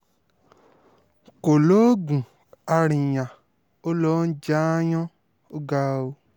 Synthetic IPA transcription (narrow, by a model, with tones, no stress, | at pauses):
ko˨lo˦ɡũ˨ | a˧ɾĩ˨jã˨ | o˦lɔ˨˦n̩˦d͡ʒaː˦jɔ̃˦ | o˦ɡa˧o˧